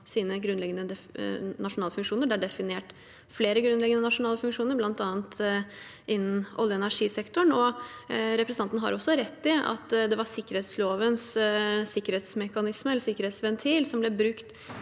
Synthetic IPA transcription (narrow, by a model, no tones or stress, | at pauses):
siːnəɡɾʉnlɛɡənəd̪ɛnɑʂʊnɑːləfʉŋkʂuːnəɾɖæɖɛfɪneːʈ | fleːɾəɡɾʉnlɛɡənənɑʂʊnɑːləfʉŋkʂuːnəɾblɑnt̪ɑːənt̪ | ʔɪnːn̩ʔɔ̰lːjəɛnæʂiːsɛkt̪ɔɳɔ | ɾɛpɾɛsɑnt̪nɦɑ̰ɾɔsːɔɾɛt̪ːɪɑ̰t̪d̪ɛʋɑsɪkːəɾheːt̪sloːʋənssɪkːəɾheːt̪smɛkɑnɪsməɛlːəsɪkːəɾheːt̪sʋɛnt̪ʰiːlsɔmblɛbɾʉkt̪